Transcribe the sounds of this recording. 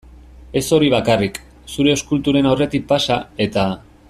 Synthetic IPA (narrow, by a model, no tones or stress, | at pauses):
e̞so̞ɾiβ̞akarik | suɾe̞o̞skult̪uɾe̞nawre̞t̪ik̚pasae̞t̪a